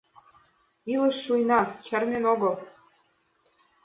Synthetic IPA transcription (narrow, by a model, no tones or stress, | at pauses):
ilə̆ʃːujnɑt͡ɕərnenoɣɤl